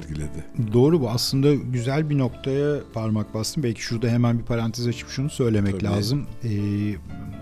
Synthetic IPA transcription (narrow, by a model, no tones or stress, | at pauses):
t̪ɡilʲed̪ɪd̪o̞ːɾubuaslˠɯnd̪aɟyzælʲbino̞kt̪ʰajapʰaɾmak̚bast̪ʰɯmbɛlʲcʰi̥ʃuɾd̪aɦe̞mænbipʰaɾant̪ʰizat͡ʃʰɯ̥pʃunusø̞jlʲe̞mɛlʲaːzɯmɛː